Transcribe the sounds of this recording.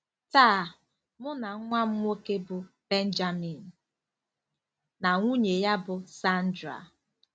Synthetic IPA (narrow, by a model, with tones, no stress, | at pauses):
taː˦˨ | mʊ˦na˨ŋ̩˦ŋʷa˦m̩ʷ˦o˦ke˦bʊ˨ | b̥e˦n̩˦d͡ʒa˦mi˨n̩˨ | na˨ŋʷu˦ɲe˨ja˦bʊ˨sa˦n̩˦dɾa̰˨